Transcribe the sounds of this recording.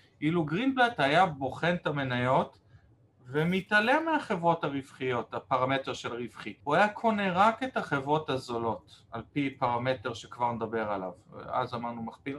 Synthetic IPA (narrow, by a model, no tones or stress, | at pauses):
ʔiluɡʁinblet̪hajabo̞χent̪ame̞najo̞t | vemitalemeaχe̞vʁo̞thaʁivχijo̞tapaʁame̞teʁʃe̞lʁivχiuajakʰo̞neʁakethaχe̞vʁo̞thazolo̞talpipaʁame̞teʁʃekvaʁned̪abe̞ʁala̰v̰a̰zamaʁnumaχpil